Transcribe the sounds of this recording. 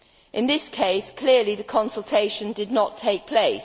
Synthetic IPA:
ʔɪ̃nðɪskʰeɪskʰl̥ɪəliðəkʰɒ̃nsəlˠtʰeɪʃə̃ndɨdⁿnətʰeɪk̚pʰl̥eɪs

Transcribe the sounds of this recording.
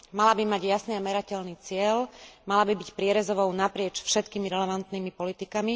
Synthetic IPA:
malabimaɟjasniamɛɾacɛlniːt͡sɪɛlmalabibicpɾɪɛɾɛzɔʋɔʊnapɾɪɛt͡ʃfʃɛt̪kiːmiɾɛlɛʋant̪nimipɔlit̪ikami

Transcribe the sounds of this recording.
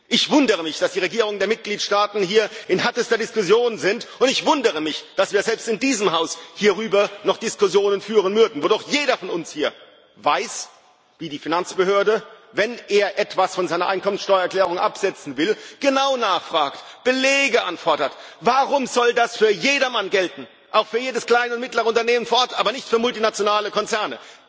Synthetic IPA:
ʔɪçv̥ʊndəʁəmɪçd̥asd̥iːʁ̞eɡiːʁ̞ʊŋəndeːɐmɪt̚ɡ̥liːtʃtaːtn̩hiːɐʔɪnhɛɐtəstɐdɪskʊsjoːnzɪntʔʊntɪçv̥ʊndəʁəmɪçd̥asv̥iːɐzɛlpstɪndiːzəmɦaʊshiːɐʁyːbɐnɔχd̥ɪskʊsjoːnənfyːʁənmʏɐdn̩voːdojeːɾɐfɔnʊnshiːɐ | vaɪs | viːdiːfinant͡sb̥əhøːɐdəvɛnʔeːɐʔɛtv̥asfɔnzaɪnɐʔaɪnkʰɔmənsʃtɔʏɐɛɐklɛːʁ̞ʊŋʔapz̥ɛt͡sn̩vɪlɡ̥ənaʊnaːχfʁ̥aːktb̥əleːɡəʔa̰nfɔɐdɐt | vaʁʊmzɔldasfyːɐjeːdɐmanɡɛltn̩ | ʔaʊxfyːɐjeːdəskl̥aɪnəʊntmɪtləʁəʊntɐneːmənfoːʔɔɐtʔaːbɐnɪçtfyːɐmʊltinat͡sjonaːləkʰɔnt͡sɛɐnə̰

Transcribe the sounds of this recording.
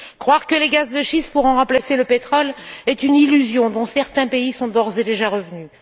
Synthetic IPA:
kχwaʁkəleɡazd̪əʃispuʁɑ̃ʁɑ̃plaseləpet̪χɔlɛt̪ynilyzjɔ̃d̪ɔ̃sɛʁt̪ɛ̃peisɔ̃d̪ɔʁzed̪eʒaʁəvny

